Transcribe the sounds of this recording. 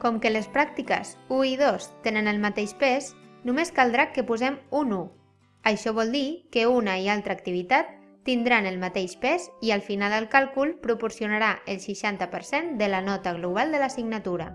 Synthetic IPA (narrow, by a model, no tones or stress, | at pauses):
kɔmkələspɾak̚t̪ikə̰zuiðost̪enənəlˠmat̪eʃpɛsnumeskalˠd̪ɾakəpuzɛmunu | əʃɔβ̞ɔlˠd̪ikəunəialˠt̪ɾəːk̚t̪iβ̞it̪at̪ː | ind̪ɾanəlˠmat̪eʃpɛziəlˠfinalˠd̪əlˠkalˠkulˠpɾupuɾsiunaɾaʔəlˠʃiʃant̪əpəɾsend̪ələnɔt̪əɣ̞luβ̞alˠd̪ələsiɡnat̪uɾə̰